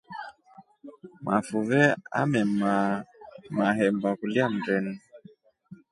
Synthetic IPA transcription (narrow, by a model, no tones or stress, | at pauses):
mafuvɛa̰mɛmamaɦɛmbakuliam̩ɾɛnu